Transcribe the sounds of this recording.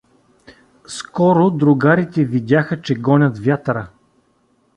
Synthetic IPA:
skɔɾʊd̪ɾʊɡaɾit̪ɛvid̪ʲaxət͡ʃɛɡɔnʲɐt̪vʲjat̪ɾə

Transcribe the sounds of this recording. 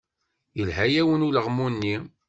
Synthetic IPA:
jəlɦæjæwənuləʁmunːi

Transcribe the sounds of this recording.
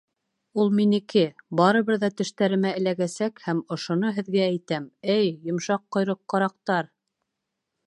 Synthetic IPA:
ulˠminikɘbɑɾɤ̆βɤɾðɑt̪ɘ̆ʃt̪æɾɘ̆mæɘ̆læɡæsækhæmŏʃŏnoɦɘ̆ðɡææjt̪æmɘjːŏmʃɑqːŏjɾɤqːɑ̆ɾɑqt̪ɑɾ

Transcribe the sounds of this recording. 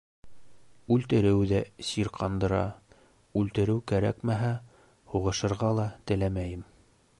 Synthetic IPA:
ʉlt̪ɘ̆ɾɘwðæsiɾqɑnd̪ɤ̆ɾɑ̰ | ʉlt̪ɘ̆ɾɘwkæɾæ̰kmæɦæ | huʁɤ̆ʃɤ̆ɾʁɑlˠɑt̪ɘ̆læmæjɘm

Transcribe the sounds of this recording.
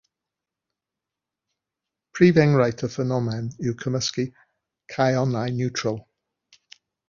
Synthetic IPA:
pʰɹiːvɛ̃ŋɹaɪtʰəfɛnɔmɛnjuːkʰəməski | kʰaɪɔnaɪnjuˑtʰɹ̥əlˠ

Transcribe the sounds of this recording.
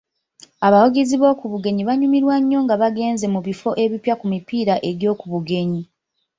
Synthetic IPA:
aβawoɡeziβo̞ːkuβuɡe̞ɲiβaɲumiɾwaɲːo̞ŋɡaβaɡe̞ːnze̞muβifo̞ʔe̞βipjakumipiːɾaʔe̞ɾjo̞ːkuβuɡe̞ɲi

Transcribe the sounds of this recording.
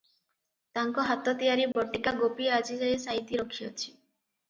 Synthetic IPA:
t̪aŋkɔɦat̪ɔt̪ijaɾibɔʈikaɡopiad͡ʒid͡ʒɔesaɦit̪iɾɔkʰijɔt͡ʃʰi̥

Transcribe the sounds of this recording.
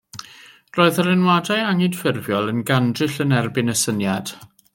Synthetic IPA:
roːɨðərɪnwadajaŋɪd̥fɪrvjɔlˠənɡandrɪɬənɛrbɪnəsənjad̥

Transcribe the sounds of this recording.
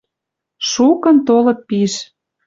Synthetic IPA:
ʃukə̆nt̪olɤ̆t̪̚piʃ

